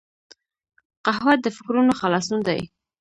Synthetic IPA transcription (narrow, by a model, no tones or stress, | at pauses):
qaɦwat̪̚d̪əfɪkɾunoxalɑsund̪a̰j